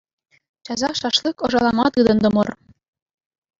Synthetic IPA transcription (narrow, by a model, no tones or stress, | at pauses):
t͡ɕɑzɑʃɑʃlɤkŏʒɑlˠɑmɑt̪əd̪ɤ̆nd̪ŏmor